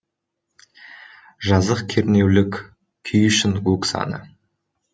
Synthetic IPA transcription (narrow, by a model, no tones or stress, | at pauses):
ʒɑzəqkʲʰeɾne̞wlɪkʲ | kʲʰʏjʏʃɪnɡuksɑ̰nə̰